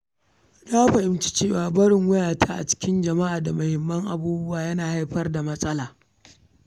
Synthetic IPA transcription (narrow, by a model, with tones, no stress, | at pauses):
daː˦ɸɐ˨ʔɪ˦mt͡ʃi̥˦t͡ʃeː˦˨waː˨bɐ˦ɽɪ˨ŋwʊ˦jaː˨tʰaː˦ʔa̰˨t͡ʃɪ̥˦kʲɪ˦nd͡ʒɐ˨ma˦ʔaː˨da˨mʊ˨hɪ˨mːɐ˦ŋʔa˦buː˦bʊ˦waː˨jɐ˦naː˨ha˦jɸɐ˦rda˨mɐ˦sʼɐ˦laː˨